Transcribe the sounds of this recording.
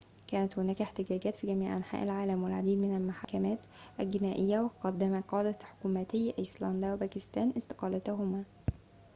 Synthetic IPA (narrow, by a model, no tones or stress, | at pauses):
kæːnæt̪hʊnæːkeħt̪ɪɡæːɡæːt̪fiːɡæmiːʕʔa̰nħa̰ːʔalʕaːlæmwɪlʕad̪iːd̪mɪnælmʊħaːkæmæːt̪ʔælɡɪnæːʔɪjːæwɪqɑd̪ːæmæqɑːd̪æħʊ̥kuːmæt̪ɪjːʔislɑnd̪æwebæːkɪst̪æːnʔɪst̪ɪ̥qɑːlæt̪ʊɦʊmæː